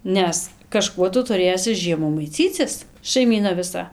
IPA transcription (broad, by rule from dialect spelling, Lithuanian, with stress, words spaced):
ˈnʲɛs kɐˈʃkuɔ ˈtʊ tʊˈrʲeːsʲɪ ˈʒʲiɛmuː mɐɪˈt͡sʲiːt͡sʲɪs ʃɐɪˈmʲiːnɐ ʋʲɪˈsɐ